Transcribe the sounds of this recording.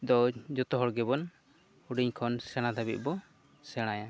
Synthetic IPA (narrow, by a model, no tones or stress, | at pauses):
d̪ɔd͡ʒɔt̪ɔɦɔɽɡɛbɔn | uɖiɲkʰɔnsɛɽ̃ad̪abḭt̪̚ˀbɔ | sɛɽ̃aja